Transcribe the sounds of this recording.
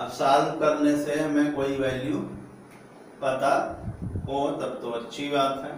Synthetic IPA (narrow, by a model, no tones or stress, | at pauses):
ɐbsaːlkɐɾneseɦɐmẽkoːiʋɛːlju | pɐt̪a | oːt̪ɐbt̪oɐtːʃʰibaːt̪ɦɛ̰ː